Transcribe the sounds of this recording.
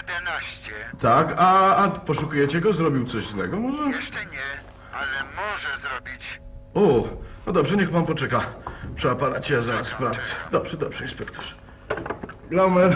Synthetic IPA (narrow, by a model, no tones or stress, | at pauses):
t̪akaːpɔʂukujɛt͡ɕɛɡɔzɾɔbʲiwt̪sɔʑzw̪ɛɡɔmɔʐɛɛ | ɔɔbʲit͡ɕunɔd̪ɔbʐɛɲɛxpanpɔt͡ʂɛkapʂɛapanat͡ɕejazaɾaspɾaft̪sɛ̥d̪ɔbʐ̥ɛd̪ɔbʐ̥ɛjɛspɛkt̪u̥ʂ | ɡlawmɛɾ